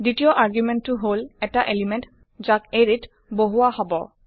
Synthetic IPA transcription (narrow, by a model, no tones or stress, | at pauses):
ditiɔʔaɹɡjumɛnːuɦolɛtaʔelimɛnt | zakeɹit | boɦuahɔbɔ